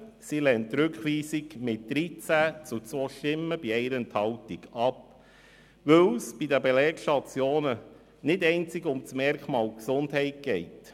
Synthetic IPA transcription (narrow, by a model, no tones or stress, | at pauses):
silɛntːɾʉkχʋiːsikmɪt̚d̪̥ɾit͡sæt͡sut͡sʋɔʃtɪmːəb̥iɛɪɾənthɑwtiɡɑp̚ | ʋɵwsb̥idəbelɛːkʃtɑt͡sjoːnə | nɪdɛɪnt͡sɪɡʊmt͡smɛɾkχmɑːlksʊndɦɛɪt̚ɡ̥ɛɪt